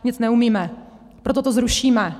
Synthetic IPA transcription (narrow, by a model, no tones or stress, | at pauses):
ɲɪt͡snɛumiːmɛ | pɾot̪ot̪ozɾuʃiːmɛ